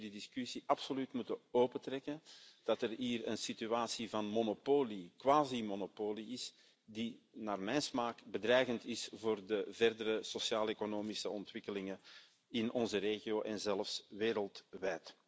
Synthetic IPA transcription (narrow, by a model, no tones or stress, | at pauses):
didɪskysiʔɑpsolytmutəoːpətrɛkənd̥ɑtɛrɦiːrə̰nsityaːsivɑnmonopoːlikwaːzimonopoːliɪs | dinaːrmɛjnsmaːkbədɾɛjɣəntɪsvoːrdəvɛrdəɾəsosjaːlekonoːmisəɔntʋɪkəlɪŋən | ɪnɔnzəɾeːɣioːʔɛnzɛlfsʋeːɾəlˠtʋɛjt